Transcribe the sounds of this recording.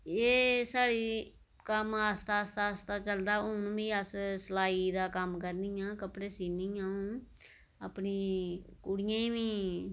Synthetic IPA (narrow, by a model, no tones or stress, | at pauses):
eːsaːɽiː | kəmaːst̪aːst̪aːst̪aːt͡ʃəld̪aːʊnbiːəssəlaːiːd̪aːkəmkəɾnɪːjãːkəpɽeːsiːniːãːũː | əpniːkʊɽɪjãːĩːʋĩː